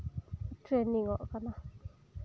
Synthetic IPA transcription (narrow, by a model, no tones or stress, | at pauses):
tenĩŋoʔkanã